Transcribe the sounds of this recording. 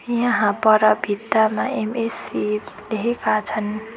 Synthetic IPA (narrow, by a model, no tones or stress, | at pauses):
jʌ̃ɦãpʌɾʌbʱit̪ːamaʔemesileɦekat͡sʰʌn